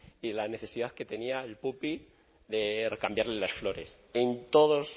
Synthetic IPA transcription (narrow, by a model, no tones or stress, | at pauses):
ilane̞θe̞siðaðke̞t̪e̞niaelpupi | ðerekambjaɾlelasflo̞ɾe̞sent̪oðos